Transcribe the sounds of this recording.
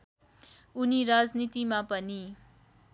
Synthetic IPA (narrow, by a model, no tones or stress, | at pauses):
uniɾad͡znit̪imãpəni